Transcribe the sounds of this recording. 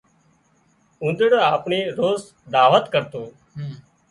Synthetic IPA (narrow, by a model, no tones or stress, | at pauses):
ũnd̪əɽoːaːpɳiːɾoːs | d̪aːʋət̪kəɾt̪oː